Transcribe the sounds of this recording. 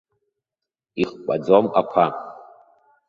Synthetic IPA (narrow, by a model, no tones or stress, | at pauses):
iχkʷʼa̰d͡zomakʷʰa